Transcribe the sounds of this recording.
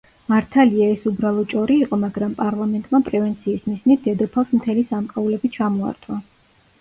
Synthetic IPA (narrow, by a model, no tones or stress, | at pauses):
maɾt̪ʰaliaɛsubɾalˠɔt͡ʃʼɔɾiːqʼɔmaɡɾampʼaɾlˠamɛnt̪ʼmapʼɾɛvɛnt̪sʰiːsmisnit̪̚ʰd̪ɛd̪ɔpʰafsmt̪ʰɛlisamkʼaulɛbit͡ʃʰamɔa̰ɾt̪ʰwa